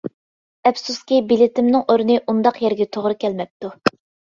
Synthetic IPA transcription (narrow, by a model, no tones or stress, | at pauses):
ɛpsuskʲibilɪt̪ʰɪmnɨŋʔoɾnɨʔund̪ɑqjɛɾɡʲɛt̪ʰoʁɾɨkʲʰɛlmɛp̚t̪u